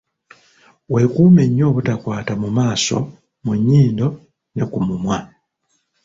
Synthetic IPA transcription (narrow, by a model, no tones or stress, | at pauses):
we̞kuːme̞ɲːo̞ːβutakwaːtamumaːso̞̰ | muɲːiːndo̞ | ne̞kumumwa